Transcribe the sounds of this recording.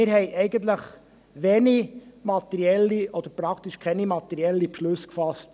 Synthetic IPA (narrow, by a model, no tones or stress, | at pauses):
ɪɾhɛɪʔɛɪɡənt̪ləχ | ʋeːnimɑt̪ɛɾiɛlːiʔɔd̥̪əɾpɾɑkt̪iʃkʰɛnimɑt̪ɛɾiɛlːipʃlɵskfɑst